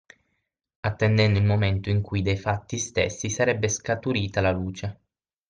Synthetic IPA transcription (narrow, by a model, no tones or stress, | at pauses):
at̪ːend̪ɛnd̪oilmoment̪oiŋkujid̪ejfat̪ːist̪ḛsːisaɾɛbːeskat̪uɾiːt̪alaluːt͡ʃe